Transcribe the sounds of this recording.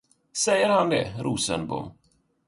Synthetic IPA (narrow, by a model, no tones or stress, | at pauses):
sɛjːəɾhand̪ɛ̰ɾʔuːsə̰nbʊ̰m